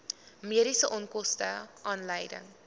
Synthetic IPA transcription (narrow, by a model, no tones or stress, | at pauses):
miəɾisəʔɔnkɔstəʔɑːnləjdə̰ŋ